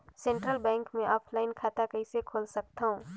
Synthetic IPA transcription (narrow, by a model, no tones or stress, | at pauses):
sẽɳʈɾəlbɛ̃ːŋkmẽʔɔːpʰlaɪnkʰaːt̪akəɪsekʰoːlsək̚t̪aɦũ